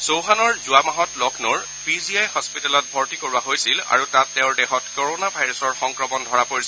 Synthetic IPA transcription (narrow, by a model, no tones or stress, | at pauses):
sowɦanɔɹzʊamaɦɔtlɔknoɹ | piziajhɔspitɛlɔt̚bʱɔɹtikoɹuaɦojsila̰ɹutatːɛʊ̃ɹdɛxɔtkoɹonabʱajɹɔsɔɹxɔŋkɹɔmɔndʱɔɹapoɹis